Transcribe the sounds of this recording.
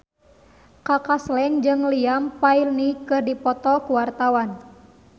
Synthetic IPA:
kakaslɛŋd͡ʒɨŋliampailnikɨrdipɔt̪ɔkuwart̪awan

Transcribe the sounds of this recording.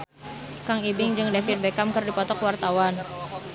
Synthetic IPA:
kaŋibɪŋd͡ʒɨŋdɛfit̪̚bɛkamkərdipɔt̪ɔkwart̪awan

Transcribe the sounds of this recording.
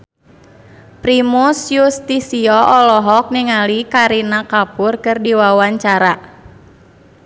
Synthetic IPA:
pɾimusjust̪isiɔʔɔlɔɦɔk̚niŋalikaɾinakapʊrkɨrdiwawaɲt͡ʃaɾa

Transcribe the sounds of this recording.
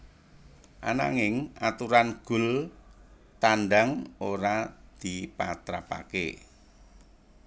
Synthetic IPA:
ʔa̰na̰ŋɪŋat̪uɾanɡ̥ʊ̤l | t̪anɖaŋoɾad̪̥i̤pat̪ɾapa̰kḛ

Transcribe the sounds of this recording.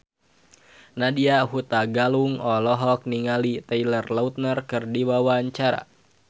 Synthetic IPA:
nadiaɦut̪aɡaluŋɔlɔɦɔk̚niŋalit̪ailərlaut̪̚nərkɨrdiwawaɲt͡ʃaɾa̰

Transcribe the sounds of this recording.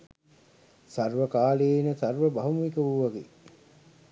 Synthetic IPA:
sarʋəkaːleːnəsarʋəbaɦumuʋikəʋuʋaɡḛ

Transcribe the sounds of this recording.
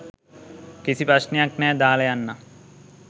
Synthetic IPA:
kisipɾɐʃnejaknɛːd̪aːlɐjanːɐ

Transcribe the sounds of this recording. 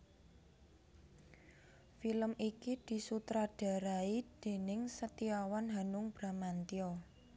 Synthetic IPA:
filəmʔikid̪̥i̤sut̪ɾaɖ̥a̤ɾaid̪̥e̤nɪŋsət̪iawanɦanʊŋb̥ɾa̤mant̪iɔ

